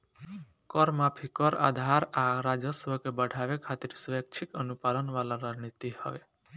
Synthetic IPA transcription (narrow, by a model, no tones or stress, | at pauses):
kɔɾmãpʰikɔɾa̰d̪ʱaɾaɾad͡ʒəsʋəkebəɽʱaʋekʰat̪iɾsʋek̚t͡ʃʰikənupalənʋalaɾad͡ʒnit̪ihɔ̰ʋe